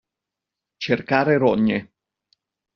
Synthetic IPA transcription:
t͡ʃerkaːɾeɾɔɲːe

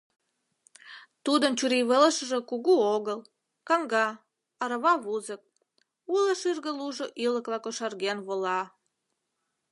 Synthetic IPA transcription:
t̪ud̪ənt͡ɕuɾiβələʃə̆ʒĕkuɣuoɣəl | kɑŋɡɑ | ɑɾəβɑβuzək̚ | uləʃyrɣəluʒoʔiləklɑkoʃɑrɣenβolɑ

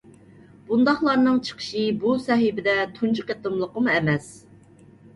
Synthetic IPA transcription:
b̥und̪ɑχlˠɑɾnɨŋt͡ʃʰə̥qʰə̥ʃɨbusɛɦɪbɪd̪ɛt̪ʰunt͡ʃʰukʲɛt̪ːɨmlˠəqəmuɛmɛs

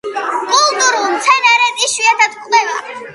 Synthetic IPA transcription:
kʼulˠt̪ʼuɾulˠmt̪sʰɛnɛɾɛt̪iʃiat̪ʰad̪kʼlɛva̰

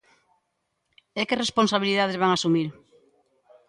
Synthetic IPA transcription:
ekeresponsaβiliðað̞ezβaŋasumiɾ

